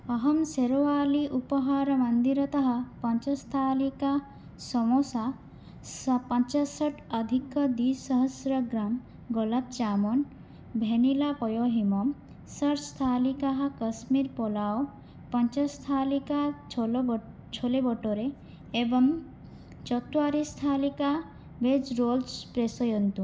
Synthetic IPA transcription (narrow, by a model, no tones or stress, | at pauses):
ɔɦɔmseɾoaliʔupɔɦaɾɔmɐnd̪iɾɔt̪ɔɦapɔɲt͡ʃɔst̪ʰalika | sɔmosa | spɔɲt͡ʃasɔʈʰəd̪ʱikːɔd̪isɔɦəsɾɔɡɾam | ɡɔlab̚t͡ʃamɔn | bʱenilapɔjoɦimɔm | səɾst̪ʰalikaɦakəsmiɾpɔlao | pɔnt͡ʃast̪ʰalika | t͡ʃʰolebɔʈoɾeː | bɔŋ | t͡ʃɔt̪uaɾist̪ʰalika | bed͡ʒɾolspɾesɔjɔnt̪u